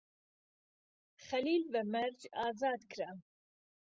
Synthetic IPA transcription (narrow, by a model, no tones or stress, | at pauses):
xɐliːlbəmɐɾd͡ʒɑːzɑːd̪kʰɾa